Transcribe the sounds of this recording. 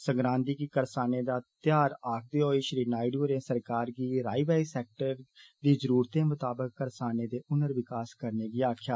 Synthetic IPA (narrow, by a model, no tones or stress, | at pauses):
səŋɡɾãːnd̪iːkikəɾsaːneːd̪aːt̪ɪjaːɾaːk̚ʰd̪eːoːiːʃɾiːnaːɪɖuːɾẽːsəɾkaːɾɡiːɾaːiːʋaːiːsɛːk̚ʈəɾd̪iːzəɾuːɾt̪ẽːmʊt̪aːbəkːəɾsaːneːd̪eːʊnəɾʋɪkaːskəɾneːɡiːaːkʰjaː